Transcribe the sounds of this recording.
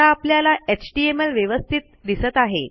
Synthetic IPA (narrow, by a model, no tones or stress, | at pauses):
aːpljalaet͡ɕʈiemelʋjəʋəst̪ʰit̪̚d̪isət̪aɦḛ